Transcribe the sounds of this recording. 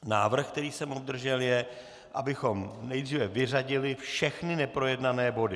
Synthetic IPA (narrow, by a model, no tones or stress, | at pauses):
naːvr̩xkt̪ɛɾiːsɛmob̚d̪r̩ʒɛljɛ | ʔa̰bɪxo̞mnɛjdriːvɛvɪr̝aɟɪlɪfʃɛxnɪnɛpɾo̞jɛdnanɛːbo̞dɪ